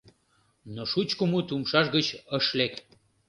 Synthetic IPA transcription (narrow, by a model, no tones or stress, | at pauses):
noʃut͡ɕkumut̪umʃɑʃɣət͡ɕəʃlek